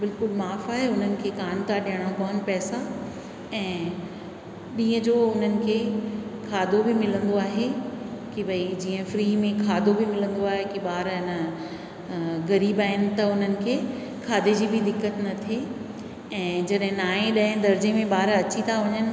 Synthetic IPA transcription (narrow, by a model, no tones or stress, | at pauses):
bɪlkʊlmaːfaːɦeʊn̤ənɪ̆kʰeːkaːnt̪ʰaɗijəɽ̃apɐːənpɛːsa | ɛ̃ː | ɗĩːə̃d͡ʑoːʊn̤ənɪ̆kʰeːkʰaːd̪ʱobimɪlə̃nd̪oaːɦekibʱɐid͡ʑiːə̃fɾiːmẽkʰaːd̪ʱobimɪlə̃nd̪oaːɦekiɓaːɾɪnə | ɣɐɾiːbaːɦɪnɪ̆t̪ɐʊn̤ənɪ̆kʰeː | kʰaːd̪ʱed͡ʑiːbɪd̪ɪkːət̪nɐt̪ʰie | ɛ̃ːd͡ʑɐɗɦɪ̃naːẽɗaːɦɪ̃nd̪ɐɾd͡ʑemẽɓaːɾɐt͡ɕit̪ʰaʋɐɲənɪ̆